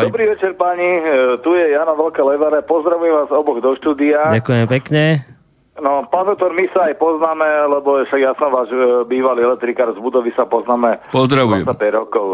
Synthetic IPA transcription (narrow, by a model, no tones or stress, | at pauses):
d̪ɔbɾiːʋɛt͡ʃɛɾpaɲit̪ujɛjaːnaʋɛlkɛlɛʋaɾɛpɔzd̪ɾaʋujɛmʋaːzɔbɔɣd̪ɔʃt̪uːd̪iaːdakujɛmɛpɛkɲɛ | nɔpaːnd̪ɔʊt̪ɔɾmisaːjpɔznaːmɛlɛbɔjɛfʃaɡjasnɔʋaːʒbiːʋaliːɛlɛk̚t̪ɾikaːɾzbud̪ɔʋisapɔznaːmɛpɔzd̪ɾaʋuajɛ̰t͡sapɛɟɾɔkɔʊ